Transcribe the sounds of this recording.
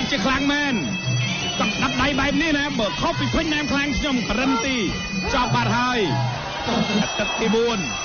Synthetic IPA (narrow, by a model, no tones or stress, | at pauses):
t͡ɕiəkʰlaŋmɛːn | kɑk̚ɗap̪̚ɗajɓaɛp̚niənaːɓəːkʰopːiːpʰəɲnaːmkʰlaŋkʰɲomkəɾəmt̪iː | t͡ɕɑːp̚ɓat̪̚haəj | at̪ɨk̪̚t̪iːɓuən